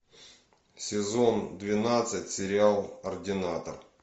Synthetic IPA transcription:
sʲɪzo̞nd̪vʲɪnat̪sɨtʲsʲɪɾʲɪalˠərdʲɪnat̪ər

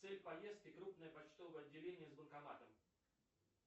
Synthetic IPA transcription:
sɛlʲpɐjest̪̚kʲɪkɾupnəjəpɐt͡ɕt̪ovəɐdʲːɪlʲenʲɪjəzbənkɐnat̪əm

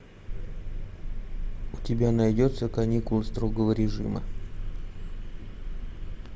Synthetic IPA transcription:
ʊtʲɪbʲanɐjdʲo̞t̪səkɐnʲikʊlˠəst̪ɾoɡəvəɾʲɪʐɨ̰mə̰

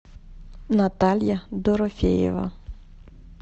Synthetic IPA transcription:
nɐt̪ɑlʲjɐd̪ɔɾɔfʲḛjɛ̰ʋɐ̰

